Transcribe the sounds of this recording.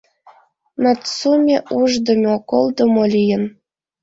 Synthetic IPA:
nɑtt͡sumʲeʔuʒd̪ŏmʲokolˠd̪omolʲijə̆n

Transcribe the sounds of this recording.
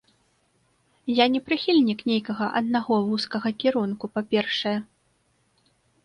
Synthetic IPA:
janʲɛpɾɨxʲilʲnʲiknʲejkɐɣɐʔɐd̪naɣɔvuskɐɣɐkʲiɾunkupapʲɛrʂɐjɛ

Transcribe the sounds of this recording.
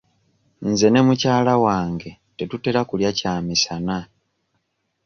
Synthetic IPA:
n̩ze̞ne̞mucaːlawaːŋɡe̞ | te̞tute̞ɾakuljacaːmisana

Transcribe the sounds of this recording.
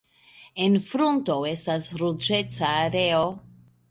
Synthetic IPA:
e̞nfɾunto̞e̞stasɾud͡ʒe̞t͡saːɾe̞o

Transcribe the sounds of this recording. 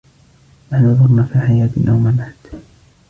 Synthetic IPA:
ʔanɑðˤʊɾˤnafiːħajaːt̪nʔa̰wmamaʕd̪

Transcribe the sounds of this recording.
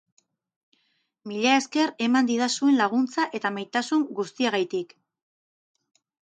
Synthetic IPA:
miʎae̞ske̞ɾe̞mand̪iðasue̞nlaɣ̞unt͡saʔe̞t̪amajt̪asuŋɡust̪iaɣajt̪ik

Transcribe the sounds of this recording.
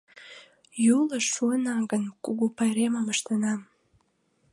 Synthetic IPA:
juləʃuənaɡənkuɡupaɾemaməʃt̪anam

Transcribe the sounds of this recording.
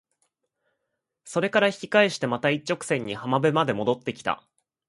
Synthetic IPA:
so̞ɾe̞kaɾaçi̥kʲi̥kaeɕi̥t̪e̞mat̪ait͡ɕːo̞kɯ̥sẽ̞ɲ̟ːihamabemad̪e̞mo̞d̪o̞t̪ːe̞kʲi̥t̪a̰

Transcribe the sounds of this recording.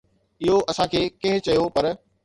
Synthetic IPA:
ɪɦoʔɐsãkʰeːkɐ̃ɦɪ̃t͡ɕɐjopɐɾ

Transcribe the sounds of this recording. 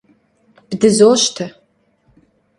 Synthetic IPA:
b̥dɨzoːɕtʰɐ

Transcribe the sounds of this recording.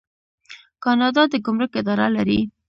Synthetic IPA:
kɑnɑd̪ɑd̪əɡʊmɾəkɪd̪ɑɾalaɾi

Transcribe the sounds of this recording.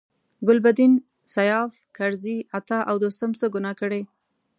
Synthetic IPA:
ɡʊlbad̪in | sajɑf | kaɾziat̪ɑʔawd̪ost̪amt͡səɡʊnɑkəɽe

